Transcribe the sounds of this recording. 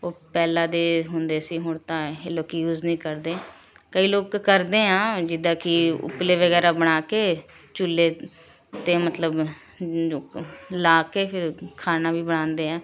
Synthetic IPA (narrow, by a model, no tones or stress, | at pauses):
oːpɛːlãːd̪eːɦʊnd̪eːsiːɦoːɳt̪ãːeloːkjuːznĩːkəɾd̪eː | kəiːloːkːəɾd̪eːɦãːd͡ʒɪd̪ãːkɪʊ̰pleːʋəɡɛːɾaːbəɽ̃aːkeː | t͡ʃʊlːeː | t̪eːmət̪ləb | laːkeːɪɾkʰaːnaːʋiːbəɽ̃ãːnd̪eːɦãː